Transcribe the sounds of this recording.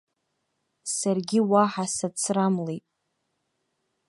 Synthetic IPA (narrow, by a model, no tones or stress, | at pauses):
sarɡʲiwaħasat͡sʰramlejtʼ